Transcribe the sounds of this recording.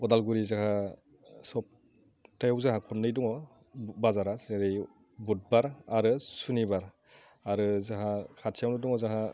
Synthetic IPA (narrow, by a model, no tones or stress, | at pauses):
ɔdalɡuɾizaɦa | sɔp̚ | tajawzaɦakʰɔnnːɯjduŋɔ | bazaɾazɯɾɯj | but̚baɾaɾɯsunibaɾ | aɾɯzaɦakʰatʰijawnɯduŋɔzaɦa